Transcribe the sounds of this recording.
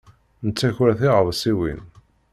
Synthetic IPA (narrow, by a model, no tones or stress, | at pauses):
nət͡sːæçɾæθiʁəðˤsiwḭn